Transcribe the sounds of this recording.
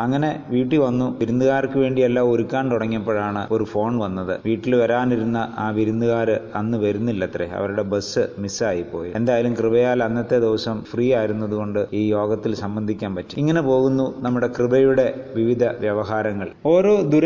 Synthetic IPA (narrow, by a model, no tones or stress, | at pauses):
ɐŋːɐne̞ʋiːʈ̬ːiʋɐnːuʋiɾund̪uɣaːrkːɨʋe̞ːɳɖielːaːoɾukʲːaːɳt̪uɽɐŋːiɐpːɐɻaːɳɨoɾufo̞ːɳʋɐnːɐðɨ̰ʋiːʈːilʋɐɾaːniɾunːɐʔaːʋiɾund̪uɣaːɾɨɐnːɨʋɐɾunːilːɐt̪ːrḛɐ̰ʋɐɾuɽe̞bɐsɨmisaːjipːo̞ːjiend̪aːjilumkrɨbɐjaːlɐnːɐt̪ːe̞d̪eʋɐsɐmfriːaːjiɾunːɐðuɣo̞ɳɖɨiːjo̞ːɡɐt̪ːilsɐmbɐnd̪ʱikʲːaːnpɐtːi̥iŋːɐnepo̞ːɣunːunɐmːuɽe̞krɨbɐjuɽe̞ʋiʋid̪ʱɐʋjɐʋɐɦaːɾɐŋːɐɭoːɾo̞ːd̪uɾɐ